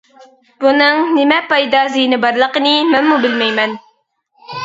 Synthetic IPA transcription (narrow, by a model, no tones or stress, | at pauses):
b̥unɨŋnɪmɛpɑjd̪ɑzijnɪbɑɾlˠəqənɨmɛnmubɪlmɛjmɛn